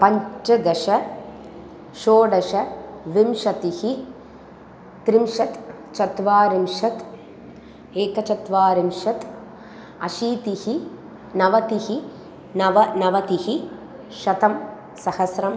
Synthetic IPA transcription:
pɐɲt͡ʃɐɡɐʂɐ | ʃoːɖɐʂɐʋimʂɐt̪ihi | t̪ɾimʂɐt̪ | t͡ʃɐt̪ʋaːɾimʂɐt̪ | eːkɐt͡ʃɐt̪ʋaːɾimʃɐt̪ | ɐʃiːt̪ihi | nɐʋɐt̪ihi | nɐʋɐnɐʋɐt̪ihi | ʃɐt̪ɐm | sɐhɐsɾɐm

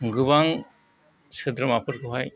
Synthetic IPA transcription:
ɡɯbaŋ | sɯd̪ɾɯmapʰɯɾkuɦaj

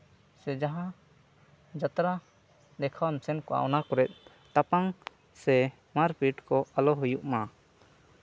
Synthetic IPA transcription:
sɛd͡ʒaɦã | d͡ʒat̪ɾa | d̪ɛkʰawamsɛnkɔa̰ɔnakɔɾɛt̪̚ˀ | t̪apaŋ | sɛ | maɾpiʈkɔalɔɦujuʔma

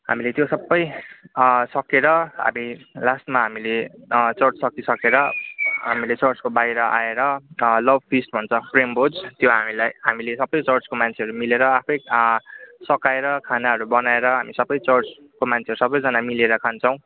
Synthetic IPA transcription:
ɦa̰milet̪josʌbːʌj | sʌkeɾʌɦa̰milasʈmaɦamilet͡sʌrt͡ssʌkisʌkeɾʌɦamilet͡sʌrt͡skobajɾʌʔa̰eɾʌlʌb̚ʱpʰisʈbʱʌnt͡sʰʌpʰrembod͡zt̪joɦamilajɦamilesʌbːʌjt͡sʌrt͡skomant͡sʰeɦʌɾumileɾʌapʰʌj | sʌkaeɾʌkʰanaɦʌɾubʌnaeɾʌɦamisʌbʌjt͡sʌrt͡s | komant͡sʰeʌɾusʌbʌjd͡zʌnamileɾʌkʰant͡sʰʌw̃

